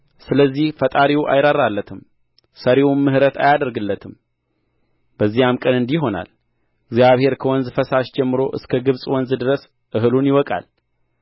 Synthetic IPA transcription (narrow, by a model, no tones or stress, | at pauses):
sɨləzːihfət̪ʼaɾiwʔa̰jɾaɾːalːət̪ʰɨm | səɾewunmɨhɾət̪ʰa̰jad̪əɾɡɨlːət̪ʰɨm | b̥əzːijamkʼənɨnd̪iɦo̞na̰l | ɪɡzjaβhe̞ɾkʰəwɔnzfəsaʃd͡ʒɛmːɨɾo̞ʔɨskʰəɡɨβsʼwɔnzd̪ɨɾəs | ʔɨɦɨlunjɪwɔkʼa̰l